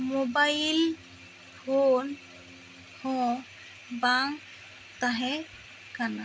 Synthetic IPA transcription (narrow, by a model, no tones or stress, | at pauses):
mobail | pʰon | hɔ̃ | baŋ | t̪aɦɛ | kana